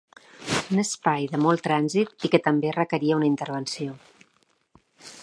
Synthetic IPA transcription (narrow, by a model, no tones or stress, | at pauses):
unəspajðəmɔlˠt̪ɾanzit̪ikət̪əmberəkəɾiəunəint̪əɾβənsio